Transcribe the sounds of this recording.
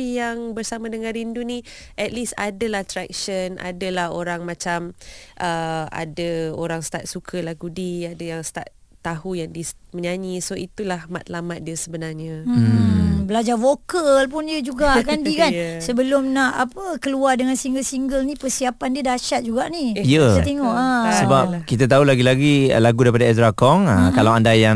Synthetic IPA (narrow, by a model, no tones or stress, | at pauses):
ijaŋbərsamãdəŋãnɾinduni | ʔɛt̪̚lisa̰dəlaht̪ɾɛk̚ʃənʔa̰dəlahoɾaŋmãt͡ʃamʔəa̰dəoɾaŋst̪at̪̚sukʰəlahɡudiadajaŋst̪at̪̚ | t̪ːaɦujaŋdisməɲaɲisoit̪ulahmat̪̚lamat̪̚diəsəbənarɲə | bəlad͡ʒarfokəlp̬ʊndiəd͡ʒuɡaʔkandikansəbəlʊmnaʔapəkəluardəŋansiŋɡəlsiŋɡəlnipərsiapandiədaʃat̪̚d͡ʒuɡaʔnijəsat̪eŋɔʔasəbapkit̪̬at̪̬aulaɡilaɡḭlaɡudaɾipadaɛsɾakɔŋəkalawandajaŋ